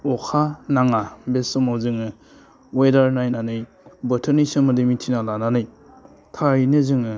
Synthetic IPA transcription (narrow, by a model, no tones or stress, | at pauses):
ɔkʰanaŋabesɔmawzɯŋɯ | wedaɾnajnanɯj | bɐtʰɯnisɯmɯdɯmitʰinalananɯj | tʰajnezɯŋɯ